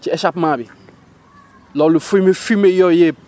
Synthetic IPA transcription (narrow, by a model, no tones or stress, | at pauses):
t͡ʃiɛʃapmabi | lɔlufomefimejɔje